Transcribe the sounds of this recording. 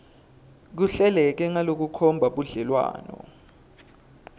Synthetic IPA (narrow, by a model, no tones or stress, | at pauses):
k̬uɬɛlɛk̬ɛŋalok̬ukʰɔmbʱaɓuɮɛlwa̰ːnɔ̰